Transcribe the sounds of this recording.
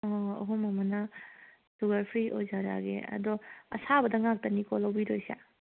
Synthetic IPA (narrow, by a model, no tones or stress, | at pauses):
ɐ̰ɦomɐmɐna | suɡɐɾpʰɾiʔojzaɾa̰ɡḛɐ̰dɔɐ̰sabɐdɐŋak̚tɐnikʰɔlawbiɾojsa̰